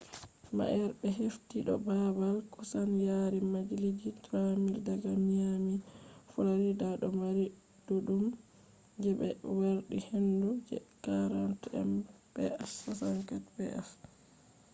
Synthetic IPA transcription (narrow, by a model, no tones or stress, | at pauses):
ma̰ʔɛɾbɛɦeftiɗɔ̰babalkusanjaɾimad͡ʒilid͡ʒitɾamiɾdaɡamamifɔlaɾidaɗɔmaɾi | d̥uɗum | d͡ʒɛbɛ̰waɾɗihendud͡ʒɛ̰kaɾantɛ̰m | b̥ɛʔasasaŋkatbɛ̰ʔas